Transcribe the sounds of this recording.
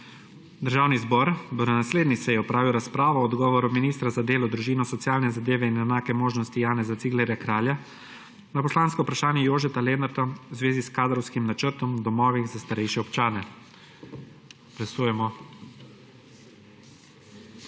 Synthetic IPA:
d̪əɾʒaːwnizbɔɾd̪ɔnɛnasleːd̪nisɛjɛɔpɾaːʋiwɾaspɾaːʋɔːd̪ɡɔːʋɔɾuminiːst̪ɾazad̪eːlɔd̪ɾuʒiːnɔsɔt̪sijaːlnɛzad̪eːʋɛinɛnaːkɛmoːʒnɔst̪ijaːnɛzat̪siɡlɛɾjakɾaːlja | napɔslaːnskɔwpɾaʃaːnjɛjoːʒɛt̪alɛnaɾd̪awzʋeːziskaːd̪ɾɔwskimnat͡ʃəɾt̪ɔmd̪ɔmɔːʋixzast̪aɾɛjʃjɛɔpt͡ʃaːnɛ | lasuːjɛmɔ

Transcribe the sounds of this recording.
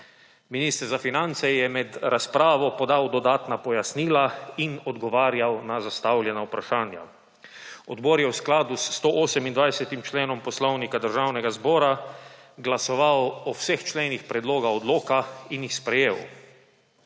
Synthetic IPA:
miniːst̪əɾzafinant̪sɛjɛmɛd̪ɾaspɾaːʋɔpɔd̪awd̪ɔd̪aːt̪napɔjasniːlainɔd̪ɡɔʋaːɾjawnazast̪awljɛnaupɾaʃaːnja̰ | ɔd̪bɔːɾjɛwsklaːd̪ust̪oʔoːsɛmind̪ʋajsɛt̪imt͡ʃleːnɔmpɔslɔwnikad̪əɾʒaːwnɛɡazbɔːɾaɡlasɔʋawɔwsext͡ʃleːnixpɾɛd̪loːɡaɔd̪loːkainjixspɾɛjeːw

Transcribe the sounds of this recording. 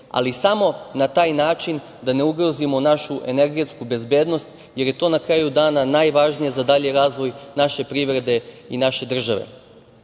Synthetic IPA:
a̰lisamo̞nat̪aːjnaːt͡ʃin | d̪ane̞uɡɾozimo̞naʃuʔe̞ne̞ɾɡet̪skube̞zbje̞ːd̪no̞st̪ | je̞ɾje̞t̪o̞ːnakɾaːjud̪aːnanaːjʋaʒnije̞zad̪aʎeɾaːzʋo̞jnaʃe̞pɾiːʋɾe̞d̪e̞inaʃe̞d̪r̩ʒaʋḛ

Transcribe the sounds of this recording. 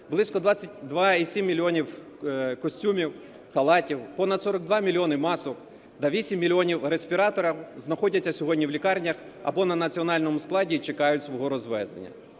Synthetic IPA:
blˠɪskɔd̪ʋɑt͡sʲːɐtʲd̪ʋɑisʲimʲːilʲiɔnʲiw | kɔsʲtʲumʲiw | xɐlˠɑtʲiwpɔnɐd̪sɔɾɐɡ̚d̪ʋɑmʲilʲiɔnɪmɑsɔk | d̪ɐʋʲisʲimʲːilʲiɔnʲiwresʲpʲiɾɑt̪ɔɾɐwznɐxɔdʲɐtʲt͡sʲːɐsʲɔɦɔdʲnʲiwlʲikɑrnʲɐx | ɐ̰bɔnɐnɐt͡sʲiɔnɑlʲnɔmʊsklˠɑdʲit͡ʃekɑjʊtʲsʋɔɦɔɾɔzʋɛ̰zd̪ḛnʲːɐ̰

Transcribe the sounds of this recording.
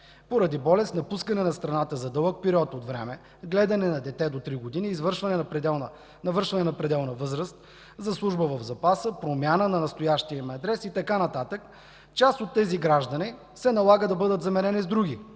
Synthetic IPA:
poɾɐd̪ibɔlɛst̪nɐpuskɐnɛnɐst̪ɾɐnat̪əzɐd̪ɤlˠək̚pɛɾʲiɔt̪ot̪vɾɛmɛ | ɡlɛd̪ɐnɛnɐd̪ɛt̪ɛd̪ot̪ɾiɡod̪iniːzvəɾʃvɐnɛnpɛɛn | nɐvɤɾʃvɐnɛnɐpɾɛd̪ɛlˠnəvɤzɾəst̪̚ | zɐslˠuʒbəvɐvzɐpasəpɾomʲjanənɐnɐst̪ojaʃt̪iəmɛɐd̪ɾɛsit̪ɐkanɐt̪at̪ək | t͡ʃast̪ot̪ːɛziɡɾaʒd̪ɐni | sɛnɐlˠaɡəd̪ɐbɤd̪ət̪zɐmɛɾɛnizd̪ɾuɡʲi

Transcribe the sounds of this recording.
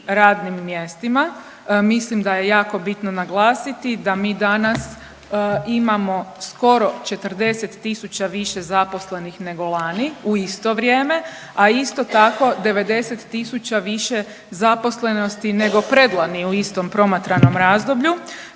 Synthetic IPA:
ɾaːd̪nimːje̞st̪ima | mislimd̪aje̞jaːko̞bit̪nonaɡlˠaːsit̪id̪amiːd̪anas | imamo̞sko̞ɾo̞t͡ʃe̞t̪r̩d̪e̞set̪ːisut͡ɕaʋiʃe̞zapo̞sle̞nixne̞ɡo̞lˠaːniuist̪o̞ʋɾʲje̞ːme̞ | aist̪o̞t̪ako̞d̪e̞ʋe̞d̪e̞set̪ːisut͡ɕaʋiʃe̞ | zapo̞sle̞no̞st̪ine̞ɡo̞pɾed̪lˠaniuist̪o̞mpɾo̞mat̪ɾano̞mɾaːzd̪o̞bʎu

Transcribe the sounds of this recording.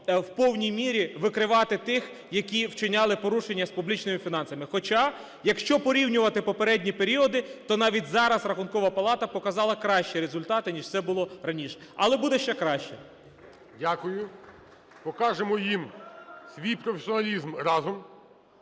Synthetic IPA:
wpɔwnʲijmʲiɾʲiʋɪkɾɪʋɑt̪ɪt̪ɪx | jɐkʲiwt͡ʃɪnʲɑlˠɪpɔɾuʃenʲːɐspublʲit͡ʃnɪmɪfʲinɑnsɐmɪxɔt͡ʃɑ | jɐkʃt͡ʃɔpɔɾʲiwnʲʊʋɐt̪ɪpɔpeɾɛdʲnʲipeɾʲiɔd̪ɪt̪ɔnɑʋʲitʲzɑɾɐsrɐxʊnkɔʋɐpɐlˠɑt̪ɐpɔkɐzɑlˠɐkɾɑʃt͡ʃiɾezʊlʲt̪ɑt̪ɪnʲiʃtsɛbʊlˠɔɾɐnʲiʃɛ̥ɐlˠɛbud̪ɛʃt͡ʃɛkɾɑʃt͡ʃɛ | dʲakʊjʊ | pɔkɑʒemɔjimsʲʋʲijpɾɔfʲesʲiɔnɐlʲizmɾɑzɔm

